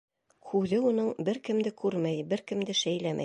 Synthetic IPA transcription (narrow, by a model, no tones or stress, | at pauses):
hʉðɘunɤɴbɘɾkɘ̆md̪ɘkʉɾmæjbɘɾkɘ̆md̪ɘʃæjlæmʔæ̰